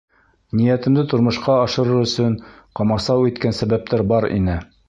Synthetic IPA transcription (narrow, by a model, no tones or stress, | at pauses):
nijæt̪ɘ̆md̪ɘt̪ŏɾmɤ̆ʃqɑːʃɤ̆ɾɤɾɵ̆sɵɴqɑmɑsɑwit̪kænsæβæp̚t̪æɾbɑɾḭnɘ